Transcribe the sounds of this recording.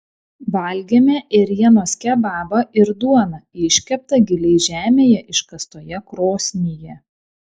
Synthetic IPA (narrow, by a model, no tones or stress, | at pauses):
ʋɐˑlʲɡʲemʲɛʔɪɾʲiɛnoːsʲkʲɛbɑːbɐʔɪɾd̪uɔnɐɪʃʲkʲɛp̚t̪ɐɡʲɪlʲɛɪʒʲæːmʲeːjɛʔɪʃkɐst̪oːjɛkɾoːsʲnʲejɛ